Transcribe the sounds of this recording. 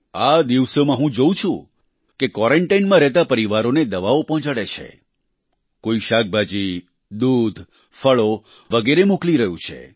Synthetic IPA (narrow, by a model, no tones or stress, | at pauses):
ad̪iʋsomãɦũd͡ʒoũt͡ʃʰṵ̃ | kekɔɾeɳʈainmãɾɛɦt̪apəɾiʋaɾoned̪əʋaopɔ̃ɦt͡ʃaɽet͡ʃʰḛ | koiʃak̚bʱad͡ʒi | d̪ud̪ʱ | fəɭo | ʋəɡeɾemokliɾəɦṵ̃t͡ʃʰḛ